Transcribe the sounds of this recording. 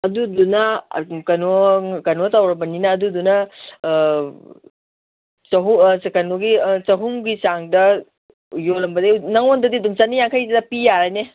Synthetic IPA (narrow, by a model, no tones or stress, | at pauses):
ɐdudunɐkɐnokɐnotawɾɐbɐninɐːdudunɐ | t͡ʃɐɦuskɐnoɡit͡ʃɐɦuŋɡisaŋdɐ | jolɐmbɐdenɐŋondɐdiduŋt͡ʃanijaŋkʰajzidɐpijaɾane